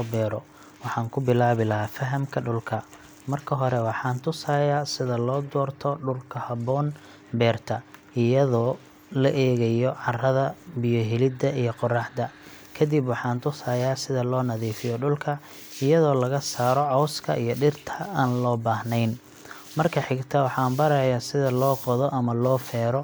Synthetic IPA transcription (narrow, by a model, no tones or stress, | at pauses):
ɔːbɛːɾɔ | wɑħɑːŋkʰʊbɪlaːβɪlɐɦaːfɐɦɐmkʰɐɖʊlkʰɐ | mɐrkʰɐɦɔɾɛwɑħɑːnt̪ʰʊsaːjaːsɪðɐlɔːd̪ɔːrt̪ʰɔɖʊlkʰɐhɐβɔːn | bɛːrt̪ʰɐ | ɪjɐðɔː | lɐʔɛːɣɐjɔʕɑrɐðɐbɪjɔɦɪlɪd̪ɐijɞqɔrɑħd̪ɐ | kʰɐd̪ɪbwɑħɑːnt̪ʰʊsaːjaːsɪðɐlɔːnɐðiːfɪjɔɖʊlkʰɐ | ɪjɐðɔːlɐɣɐsaːɾɔʕɔwskʰɐ̰ʔḭjɔɖɪrt̪ʰɐaːnlɔːbaːhnɛjn | mɐrkʰɐħɪɡt̪ʰɐwɑħɑːmbɐɾɐjasɪðɐlɔːqɔðɔʔɐmɐlɔːfɛːɾɔ